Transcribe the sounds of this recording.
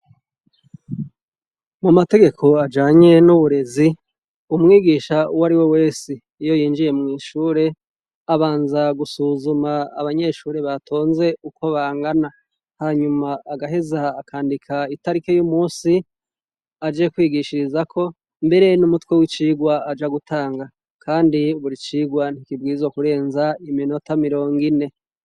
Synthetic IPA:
mumate̞ɡe̞kʰo̞ad͡ʒaːɲe̞nuβuɾe̞zi | umŋiːɡiːʃawaɾiwe̞we̞ːsiːjo̞jiːnd͡ʒije̞mŋiːʃuːɾe̞ | aβaːnzaɡusuːzumaːβaɲe̞ʃuːɾe̞βatʰo̞ːnze̞uko̞βaːŋɡana | haːɲumaːɡaɦezaːkʰaːndikʰaitaɾike̞jumuːnsi | ad͡ʒekwiːɡiʃiɾizakʰo̞ | mbe̞ɾenumutwewit͡ʃiːɡwaad͡ʒaɡutʰaːŋɡa | kʰaːndiuβuɾit͡ʃiːɡwan̥ikibɡiːzwokuɾe̞ːnzaimino̞tamiɾo̞ːŋɡine̞

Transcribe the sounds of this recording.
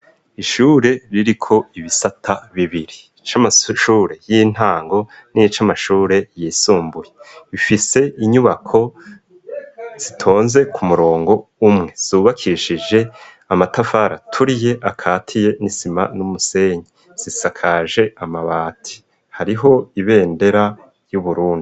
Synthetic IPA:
iʃuːɾe̞ɾiɾikʰo̞iβisatʰaβiβiɾi | t͡ʃamaʃuːɾe̞jiːn̥aːŋɡo̞nit͡ʃamaʃuːɾe̞jiːsuːmbujeβifise̞iɲuβakʰo̞ | z̥itʰo̞ːnze̞kʰumuɾo̞ːŋɡo̞umŋe̞z̥uːβakʰiʃid͡ʒe̞ | amatafaɾa̰tʰuɾije̞ʔakʰaːtʰije̞nisima̰numuse̞ːɲi | z̥isakʰaʒe̞amaβaːtʰi̥ | haɾiɦo̞iβe̞ːnde̞ɾa | juβuɾuːndi

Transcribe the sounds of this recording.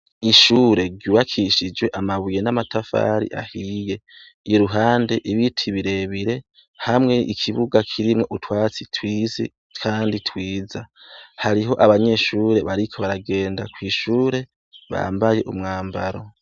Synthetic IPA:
iʃuːɾe̞ɾɟuːβakʰiʃid͡ʒwe̞ʔamaβuje̞namatʰafa̰ɾḭʔa̰hije̞ | ɾuɦaːnde̞ʔiβitʰiβiɾe̞βiɾe̞ | hamŋe̞ʔikʰiβuɡakʰiɾimŋo̞ʔutwaːt͡sitʰwiːzi | kʰaːnditʰwiːzahaɾiɦo̞ʔaβaɲe̞ʃuːɾe̞βaɾikʰo̞βaɾaɡe̞ːndakwiːʃuːɾe̞ | βa̰mbaje̞ʔumŋaːmbaɾo̞̰

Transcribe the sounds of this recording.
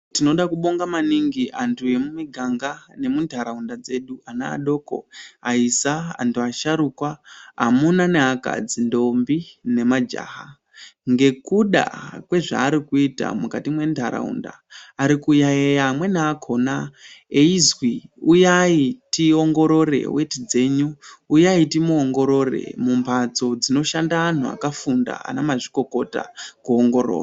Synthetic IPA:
tino̞ɗakuɓo̞ŋɡamaniŋɡiantʰuje̞mumiɡʱaŋɡane̞mundʱaɾaundad͡ze̞ɗuana̰ːɗo̞ːko̞̰aisaa̰ntuaʃaɾuːkwaɦamunane̞ɦaka̰d͡zindo̞mbine̞mad͡ʒa̰ːɦa | ŋɡe̞kuɗa̰kwe̞ʐa̰ːɾikuita̰mukatimwe̞nta̰ɾa̰ṵnda̰ːɾikujaejamwe̞neakʰo̞naeizwiujaitioŋɡo̞ɾo̞re̞̰wʔetid͡ze̞ːɲuːjaitimuoŋɡo̞ɾo̞re̞̰mumpʰat͡so̞d͡zino̞ʃandaan̤ua̰kafunda̰a̰namaʐiko̞ko̞ta̰kuoŋɡo̞ɾo̰ːra

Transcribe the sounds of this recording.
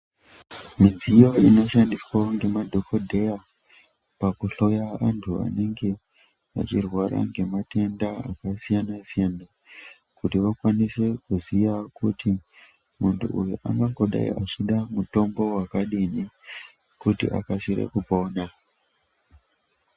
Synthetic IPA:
minzijoino̞ʃandiswaoŋɡe̞madʱo̞kʰo̞dʱe̞ja | pakuɬo̞jaantʰua̰ne̞ŋɡe̞ | a̰t͡ʃirwaɾa̰ŋɡe̞mate̞ndaa̰kasijanasijana | kutiʋakwanise̞kuzijakuti | muntṵʔujuʔa̰ŋɡaŋɡo̞ɗa̰ḭʔat͡ʃiɗamuto̞mbo̞wakaɗini | kutḭʔa̰kasiɾḛkupoːna

